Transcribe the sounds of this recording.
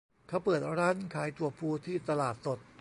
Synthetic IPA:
kʰa˦˥˩wpɤː˨˩t̪̚ɾaː˦˥˨nkʰaː˩˦jt̪u˨˩ɐpʰuː˧t̪ʰiː˥˩t̪a˧laː˨˩t̪̚so˨˩t̪̚

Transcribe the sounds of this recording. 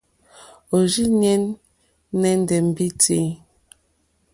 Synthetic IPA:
o˨d͡ʒi˦ɲɛ˦nː | ɛ˨n˦dɛ˨m̩˨bi˦te˨˦

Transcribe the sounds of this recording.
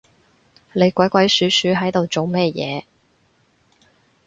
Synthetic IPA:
le˨˧jkʷɐ˨˥jkʷɐ˨˥jsyː˨˥syː˨˥ɦɐ˨˥jt̪o˨wt͡so˨wmɛː˥˧jɛ̰ː˨˧

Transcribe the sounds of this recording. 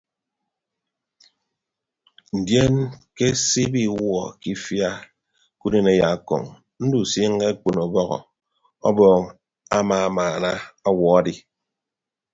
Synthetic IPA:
n̩˨dje˦nke˦si˦bi˦wɔ˨ki˦fja˦ | ku˦de˨ne˦ja˨kɔ̰˨ŋ | n̩˦du˨si˦ŋ˦ɡe˦k͡pu˨nɔ˨bɔ˦ɣɔ̰˨ | ɔ̰˦bɔː˦˨ŋ | a˦ma˨maː˨na˦a˦wɔ˨a˦di˨

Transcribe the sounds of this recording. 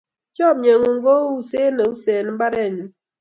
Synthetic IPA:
t͡ʃɔ˦˨bɲe˨ŋu˨ŋɡo˦u˨se˦ne˨u˦se˨n˨m˦ba˦ɾɛ˦˨ɲu˦

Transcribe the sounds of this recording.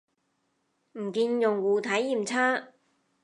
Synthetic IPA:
m̩˨˩kiː˧njʊ˨ŋwuː˨˩t̪ʰɐ˨˥jːiː˨˩mt͡sʰaː˥

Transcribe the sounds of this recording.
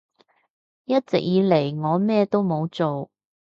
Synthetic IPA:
jɐ˥t̚t͡sɪ̰˨k̚jiː˨˧le˨˩jŋɔː˨˧mɛː˥t̪o˥wmo˨˧wt͡so˨w

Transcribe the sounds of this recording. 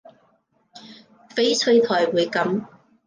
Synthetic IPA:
fe˥jt͡sʰɵ˧ɥt̪ʰɔː˨˩jwuː˨˧jkɐ˨˥m

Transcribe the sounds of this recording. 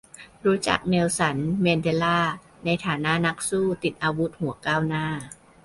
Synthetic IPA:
ɾuː˦˥t͡ɕa̰˨˩k̚ne˧wsa˩˦nme˧nde˧laː˥˩ | na˧jt̪ʰaː˩˦na˦˥ʔna˦˥k̚suː˥˩t̪i˨˩t̪̚ʔaː˧wu˦˥t̪̚hu˩˦ɐkaː˥˩wnaː˥˩

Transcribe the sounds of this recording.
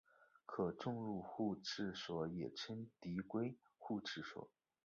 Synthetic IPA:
kʰɤ˨˩ʈ͡ʂʊ˥˧ŋɻu˥˧xu˥˧ʈ͡ʂʰɻ̩˥˩ʂwɔ˧˥jɛ˨˩ʈ͡ʂʰə˥nt̪i˧˥kwe˥ɪ | xu˥˧ʈ͡ʂʰɻ̩˥˩ʂwɔ̰˨˩˦

